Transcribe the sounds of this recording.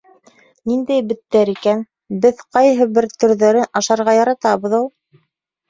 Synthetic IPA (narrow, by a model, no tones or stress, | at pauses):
nind̪æjbɘ̆t̪ːæɾikæn | bɘðqɑjɦɤbɘɾt̪ɵ̆ɾðæɾɘnɑʃɑɾʁɑjɑɾɑt̪ɑβɤ̆ðulˠ